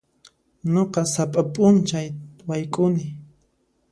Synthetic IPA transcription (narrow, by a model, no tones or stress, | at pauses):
ɲoqɑsapʼapʼʊnt͡ʃajwajkʼʊnɪ